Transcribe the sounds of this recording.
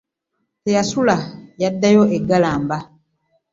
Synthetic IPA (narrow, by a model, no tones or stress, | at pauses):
tejasulajadːajoʔeɡalaːmba